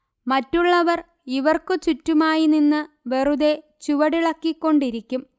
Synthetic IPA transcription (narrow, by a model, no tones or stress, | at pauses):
mɐtːuɭːɐʋɐr | iʋɐrkɨt͡ɕutːumaːjininːɨ | ʋe̞ruðe̞ | t͡ɕuʋɐɽiɭɐkːikːo̞ɳɖiɾikʲːum